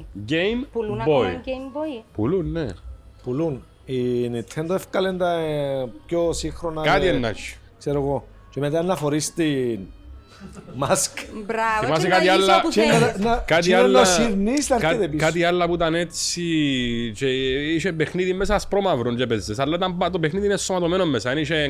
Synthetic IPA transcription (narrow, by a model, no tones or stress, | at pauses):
ɡejmbojmbopulunːe | pulun | init̪ʰend̪oefkalend̪apjosixɾonakat̪ienːat͡ʃːi̥ | kseɾoɣo | t͡ʃemet̪anːɐfoɾist̪i | maskbɾaemas̬ikaialːaemet̪anakat̪ialːosiɾnist̪aɾkit̪eikat̪ialːɐput̪anet͡sːit͡ʃeiʃepexniðimːesaspɾomavɾuɲt͡ʃepezːesalːait̪ambat̪opexniðinest̪omat̪omenomːesaniʃe